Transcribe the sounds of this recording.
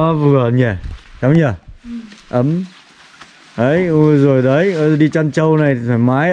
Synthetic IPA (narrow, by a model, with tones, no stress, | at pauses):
ɔ˨˦vɨ˨˩ə˨ɲɛ˧˩t͡ɕɔ˨˦wɲə˧˩ | ʔə˨˦m | ʔə˨˦jzo˨˩jɗə˨˦jɗi˧t͡ɕa˧nt͡ɕə˧wna˨˩jtfaː˨˩jmaː˨˦j